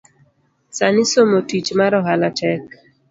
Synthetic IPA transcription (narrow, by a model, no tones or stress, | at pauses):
sanɪsomotit͡ʃmaɾɔɦalatɛk